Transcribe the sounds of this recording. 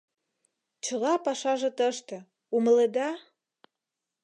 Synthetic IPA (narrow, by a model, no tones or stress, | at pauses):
t͡ɕə̆lɑpɑʃɑʒĕt̪əʃt̪ĕ | umə̆led̪ɑ